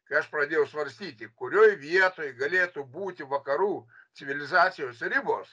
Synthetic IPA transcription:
kɐɪɐʃpɾɐd̪ʲeːjɛʊsʋɐɾʲsʲt̪ʲiːt̪ʲɪkʊɾʲoːjʋʲiɛt̪oːjɡɐlʲeːt̪ubuːt̪ʲɪʋɐkɐɾuː | t͡ssʲɪʋʲɪlʲɪzɑːt̪sʲɪjoːsɾʲɪboːs

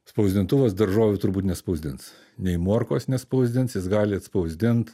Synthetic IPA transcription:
spɐʊzʲd̪ʲɪnt̪ʊʋɐsd̪ɐɾʒoːʋʲʊt̪ʊɾbuːt̪nʲɛspɐʊzʲd̪ʲɪns | nʲɛɪmuɔɾkoːsnʲɛspɐʊzʲd̪ʲɪnsjɪsɡɑːlʲɪɐt̪spɐʊzʲd̪ʲɪnt̪

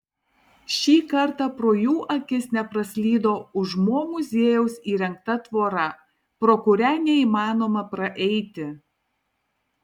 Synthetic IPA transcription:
ʃʲiːkɐɾˑt̪ɑpɾoːjuːʔɐkʲɪsnʲɛpɾɐsʲlʲiːd̪oːʊʒmoːmʊzʲeːjɛʊsiːɾʲɛŋk̚t̪ɐt̪ʋoːɾɐ | pɾoːkʊɾʲɛnʲɛiːmɑːnoːmɐpɾɐʔɛɪt̪ʲɪ

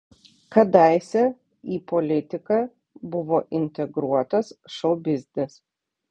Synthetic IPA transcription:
kɐd̪ɐɪsʲɛ | iːpɔlʲɪt̪ʲɪkɐ | bʊʋoːʔɪnʲt̪ʲɛɡɾuɔt̪ɐsʃɐʊbʲɪzʲd̪ʲɪs

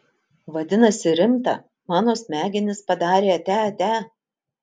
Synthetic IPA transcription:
ʋɐd̪ʲɪnɐsʲɪɾʲɪmt̪ɐ̰ | mɑːnoːsmʲæːɡʲɪnʲɪspɐd̪ɑːɾʲeːɐt̪ʲæːɐt̪ʲæː

